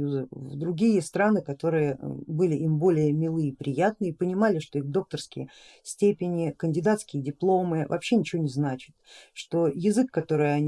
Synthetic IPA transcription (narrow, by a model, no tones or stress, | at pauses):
juzəvd̪ɾʊɡʲijəst̪ɾanɨkɐt̪o̞ɾɨjəbɨlʲɪʔimbo̞lʲɪjəmʲɪlˠɨipɾʲɪjat̪nɨipənʲɪmalʲɪʂt̪o̞ixd̪o̞k̚t̪ərskʲɪjə | sʲtʲepʲɪnʲɪkənʲdʲɪd̪at̪skʲɪjədʲɪplˠo̞mɨvɐ̰pɕːenʲɪt͡ɕɪvonʲɪznat͡ɕɪ̥t̪ʂt̪o̞jɪzɨkːɐt̪o̞ɾɨjɐnʲ